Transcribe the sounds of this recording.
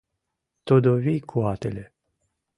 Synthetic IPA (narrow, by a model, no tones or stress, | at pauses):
t̪od̪ovijkʰuat̪ele